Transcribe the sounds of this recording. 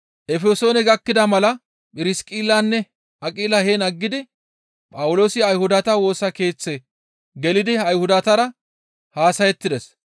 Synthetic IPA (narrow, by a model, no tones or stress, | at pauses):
ʔɛfɛso̞ːnɛɡɐkːɪd̪ɐmɐlɐ | pʼɪɾɪskʼiːlːaːnːɛ | ɐkʼiːlɐheːnɐɡːɪd̪ɪ | pʼɐwʊlo̞ːsɪɐjhʊd̪ɐt̪ɐwo̞ːsɐke̞ːt͡sːɛ | ɡɛlɪd̪ɪɐjhʊd̪ɐt̪ɐɾɐ | haːsɐjɛt̪ːɪd̪ɛs